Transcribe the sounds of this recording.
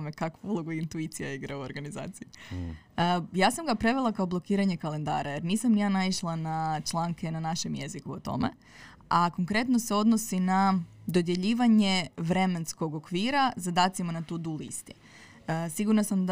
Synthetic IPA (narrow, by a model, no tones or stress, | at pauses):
mekakʋuulˠo̞ɡuint̪uit̪sijaiɡɾauoɾɡaniza̰ːt̪siji | əjaːsamɡapɾe̞ʋelˠakao̞blˠo̞kiːɾaɲe̞kale̞nd̪a̰ːɾaje̞ɾniːsamnijaːnaiʃlˠanat͡ʃlˠaːŋke̞nanaʃe̞mje̞zikuo̰t̪o̞̰mḛ | ako̞ŋkɾe̞t̪no̞se̞o̞d̪no̞sinad̪o̞d̪je̞ʎiːʋaɲe̞ʋɾe̞me̞nsko̞ɡo̞kʋiːɾazad̪aːt̪simanat̪uːd̪ulḭst̪i̥ | siɡuɾnasamd̪